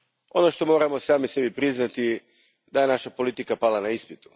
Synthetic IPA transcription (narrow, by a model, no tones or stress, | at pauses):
o̞no̞ʃt̪o̞mo̞ːɾamo̞saːmise̞bipɾiznat̪i | d̪ajenaʃapo̞lit̪ikapalanaispit̪u̥